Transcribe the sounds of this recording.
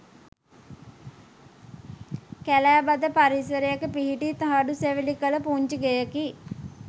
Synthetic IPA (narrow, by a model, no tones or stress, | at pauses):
kɛlɛːbad̪əpaɾisəɾejəkpiɦiʈit̪əɦaɖuseʋilikələpuɲt͡ʃəɡejəki